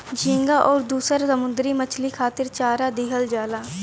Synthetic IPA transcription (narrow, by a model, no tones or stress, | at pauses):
d͡ʒĩːŋɡaːʔɔːɾd̪uːsəɾsəmʊnd̪ɾiːmət͡ʃʰliːkʰaːt̪ɪɾt͡ʃaːɾaːd̪iːɦəld͡ʒaːlaː